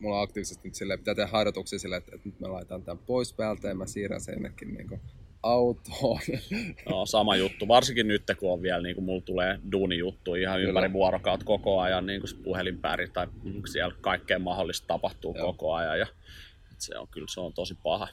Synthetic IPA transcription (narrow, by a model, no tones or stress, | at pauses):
mulːoɑkt̪iːʋisest̪nyt̪silːepi̥t̪æːt̪ehæhhɑiɾɑt̪uksiːsilːeet̪et̪nyt̪mḛlɑit̪ɑːnt̪æmpoispæːlt̪æemæsiːræ̰nsḛnːḛkːinnḭːŋkoɑut̪oːjɑoːsɑmɑjut̪ːuʋɑrsiŋkinnyt̪ːekuoʋʋiælniːŋkumult̪uleːduːnijut̪ːuiihɑympæiʋʋuɑrokɑut̪kokoɑjɑnniːŋkuspuhelimpæ̰rit̪ːɑiksiælkɑikːeːmmɑholːist̪t̪ɑpɑht̪uːkokoɑjɑ̰jjɑ | et̪sḛo̰ŋkylseont̪osipɑhɑ